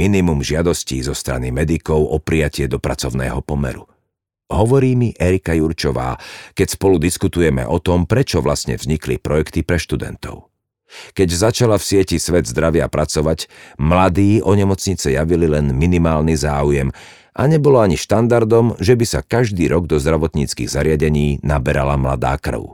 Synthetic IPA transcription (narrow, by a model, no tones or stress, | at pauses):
minimumʒɪad̪ɔsciːzɔst̪ɾa̰nimɛd̪ikɔʊʔɔpɾijacɪɛd̪ɔpɾat͡sɔʊnɛ̰ːɦɔpɔmɛ̰ɾu | ɦɔʋɔɾiːmiʔɛɾikajuɾt͡ʃɔʋa̰ːkɛcspɔlud̪iskut̪ujɛmɛ̰ʔɔt̪ɔmpɾɛt͡ʃɔʋlasɲɛ̰vzɲiklḭpɾɔjɛkt̪ipɾɛʃt̪ud̪ɛ̰nt̪ɔ̰ʊ | kɛɟzat͡ʃalafsɪɛcisʋɛd̪zd̪ɾaʋɪapɾat͡sɔʋacmlad̪iːʔɔɲɛmɔt͡sɲit͡sɛjaʋililɛnminimaːlnizaːujɛm | ʔa̰ɲɛbɔlɔaɲiʃt̪and̪aɾd̪ɔmʒɛbisa̰kaʒd̪iːɾʔɔɡd̪ɔzd̪ɾaʋɔt̪ɲit͡skḭːɣzaɾɪaɟɛɲiːnabɛɾalamla̰d̪a̰ːkr̩ʊ